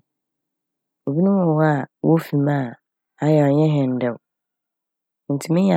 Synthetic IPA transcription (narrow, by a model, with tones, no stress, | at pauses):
o˨bi˦nũ˦ɔ̃˨wa˦˨wʔo˦fĩ˨mã˦˨ | a˨jɛ˨a˨ɲɛ̃˦ɦɛ̃˨m˨dɛ˨w | n̩˨tʰi˨mɪ̃˦ɲa˨